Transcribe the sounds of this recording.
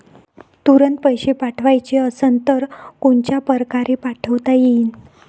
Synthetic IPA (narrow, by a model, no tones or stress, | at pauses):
t̪uɾənt̪̚pəjɕepaʈʰʋajt͡ɕeəsənt̪əɾkoɳt͡ɕjapəɾkaɾepaʈʰəʋt̪ajeiːn